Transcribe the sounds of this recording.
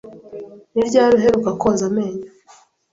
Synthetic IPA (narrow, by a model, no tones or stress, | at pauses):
niɾɟaːɾuɦe̞ɾukakoːnzameːɲa